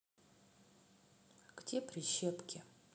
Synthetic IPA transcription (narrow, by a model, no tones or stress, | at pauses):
ɡ̥dʲepɾʲɪɕepkʲʰɪ